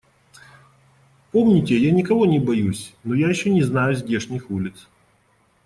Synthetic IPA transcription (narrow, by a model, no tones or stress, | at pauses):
pomnʲɪtʲɪjanʲɪkɐvonʲɪbɐjusʲnojajɪɕːonʲɪznajʊzʲdʲeʂnʲɪxulʲɪt̪s